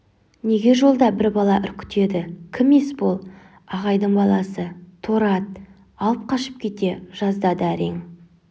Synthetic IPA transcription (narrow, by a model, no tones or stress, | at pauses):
ne̞ɡʲe̞ʒo̞lˠd̪ɑbɪɾbɑlˠɑʔʏɾkʲʰɪ̥t̪e̞d̪ɪkʲʰɪmːe̞sbo̞lˠ | ɑʁɑjd̪əɴbɑlˠɑsət̪ʰoɾɑt̪̚ | ɑlˠəp̚qʰɑʃə̥p̚kʲʰe̞t̪e̞ʒ̥ɑzd̪ɑd̪əæɾeŋ